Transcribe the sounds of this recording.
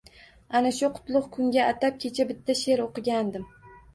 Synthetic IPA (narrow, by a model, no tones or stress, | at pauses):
anaʃʊqʰʊ̥t̪lˠʊχkʰʊŋɡʲaat̪ʰap̚kʲʰe̞t͡ʃʰabɪt̪ʰːaʃe̞ɾoqɨɡʲand̪ɪm